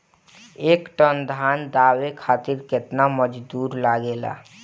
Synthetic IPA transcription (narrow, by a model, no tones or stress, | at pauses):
ekʈənd̪ʱand̪awekʰaːt̪iɾket̪naməd͡ʒd̪uɾlaɡela̰